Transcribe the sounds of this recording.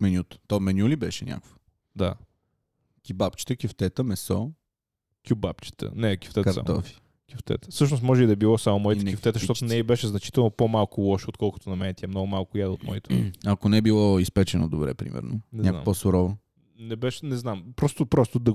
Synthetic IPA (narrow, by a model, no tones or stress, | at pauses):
mɛnʲjut̪ə̥t̪ɔmɛnʲjulibɛʃɛnʲʔa̰kʊvə | d̪a | kʲibap̚t͡ʃi̥t̪əkʲift̪ɛt̪əmɛsɔ | kʲjubapt͡ʃi̥t̪ə̰nɛkʲi̥ft̪ɛkɐa̰t̪ɔ̰fi̥ | kʲjift̪ɛ̰t̪ə̥fsɤʃnosmɔʒɛid̪ɐɛbilˠɔsamʊmɔjt̪nʲift̪ɛt̪əʃt̪ɔt̪ʊnɛibɛʃɛznɐt͡ʃi̥t̪ɛlˠnopomalˠkʊlˠɔʃot̪kɔlˠkot̪onɐmɛnɛt̪ʲjamnɔɡʊmalˠkʊjad̪əot̪mɔ̰it̪ɐkonɛɛbilˠɔispɛt͡ʃɛno̰d̪obɾɛ̰pɾḭmʔɛ̰ɾnonɛzʲakna̰poɔsʊɾɔvo | nɛbɛʃɛnɛznampɾɔst̪ʊpɾɔst̪ʊd̪ɐ